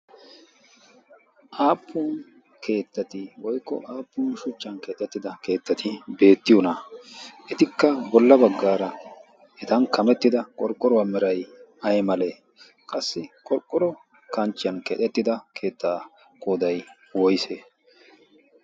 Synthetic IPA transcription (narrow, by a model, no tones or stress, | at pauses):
ʔaːpʰːʊn | kʰe̞ːt̪ːɐt̪ɪwɔjkːɔ̰ʔaːpːʊːnʃʊt͡ʃːɐnkɛt̪ʼːɛt̪ːɪd̪ɐke̞ːt̪ːɐt̪ʰɪbe̞ːt̪ːɪjɔnɐʔɛt̪ɪkːɐbɔlːɐbɐɡːaːɾɐ | ʔɛt̪ɐnkʰɐmɛt̪ːɪd̪ɐkʼɔɾkʼːɔɾɔwɐmɛɾɐjɐjmɐleː | kʼɐsːɪkʼɔɾkʼːɔɾɔ | kɐnt͡ʃːɪjɐnkɛt̪ʼɛt̪ːɪd̪ɐkʰe̞ːt̪ːaː | kʼoːd̪ɐj | wɔjse